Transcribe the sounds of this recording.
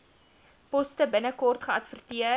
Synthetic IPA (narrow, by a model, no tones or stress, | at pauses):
pɔstəbənəkɔrtχəɐtfərtiə